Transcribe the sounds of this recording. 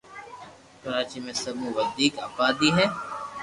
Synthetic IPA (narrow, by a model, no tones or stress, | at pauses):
kɐɾaːt͡ʃimẽsɐbũʋəd̪iːkɐpaːd̪iɦɛː